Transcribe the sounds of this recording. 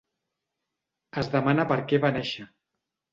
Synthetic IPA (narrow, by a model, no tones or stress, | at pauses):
əzðəmanəpəɾkɛβanɛʃə